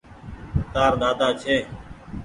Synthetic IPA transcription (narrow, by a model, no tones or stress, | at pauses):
t̪aːɾɗ̪aːd̪aːt͡ʃʰeː